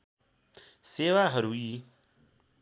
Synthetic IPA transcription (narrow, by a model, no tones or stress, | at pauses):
seːʋaːɦəɾuːiː